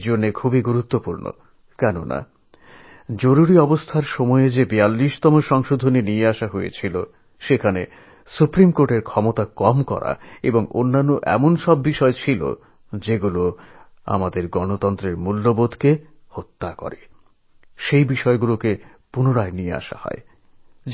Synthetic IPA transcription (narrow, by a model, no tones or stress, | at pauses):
d͡ʑonːekʰubiɡuɾut̪ːopuɾno̰ | kɛnona̰ | d͡ʑoɾuɾiɔbost̪ʰaɾʃɔmɔeed͡ʑebialːiʃt̪ɔmoʃɔŋʃod̪ʱoninijeaʃaɦoḛt͡ɕʰilo | ʃekʰane | supɾimkoɾʈeɾkʰɔmot̪akɔmkɔ̰ɾa̰eboŋo̰nːanːoʔɛ̰monʃɔbːiʃɔet͡ɕʰilo̰ | d͡ʑeɡulo | a̰mad̪eɾɡɔnot̪ɔnt̪ɾeɾmulːobod̪ʱke | hot̪ːakɔ̰ɾe | ʃejbiʃɔeɡuloke | punoɾaeniea̰ʃa̰hɔ̰e